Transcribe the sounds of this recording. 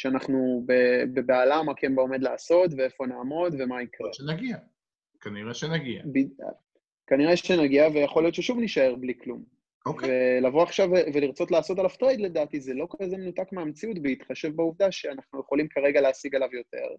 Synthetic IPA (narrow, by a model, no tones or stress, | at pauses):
ʃeanaχnubebebealamakʰembaome̞d̪laːso̞tveefo̞naːmo̞d̪ve̞maikʁeʃenaɡia | kaniʁeʃenaɡia̰bḭ | kaniʁeʃenaɡiavejaχo̞ljo̞t̪ʃeʃuvniʃaeʁbliklum | okvelavoaχʃavveliʁt͡so̞tlaːso̞talaft̪ʁejd̪led̪aːt̪izelo̞kazemenutakmeamt͡siutbeit̪χaʃevbauvd̪aʃeanaχnujeχo̞limkaʁeɡaleːsiɡalavjo̞t̪e̞̰ʁ